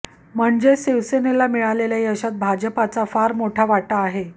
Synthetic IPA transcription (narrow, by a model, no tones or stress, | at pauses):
m̤əɳd͡zesiʋsenelamiɭaleljaɦiəɕat̪̚bʱad͡ʑəpat͡safaɾmoʈʰaʋaʈaːɦe